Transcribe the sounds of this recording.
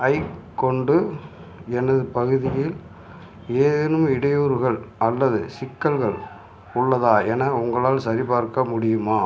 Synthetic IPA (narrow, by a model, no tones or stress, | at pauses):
ɐɪkːɔɳɖɯ | ɛnɐðɯpɐɣɯðɪjɪl | eːnɯmɪɽɐjoːɾɣɐɭʔɐlːɐðɯ̰sɪkːɐɭɣɐɭ | ʊɭːɐðaːɛnɐʊŋɡɐɭaːlsɐɾɪpaːɾkɐmʊɽɪjɯmaː